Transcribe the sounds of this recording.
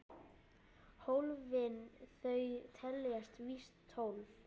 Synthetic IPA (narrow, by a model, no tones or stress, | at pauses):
howlvɪnθœːɥt̪ʰɛlːjast̪vist̪ʰːowlv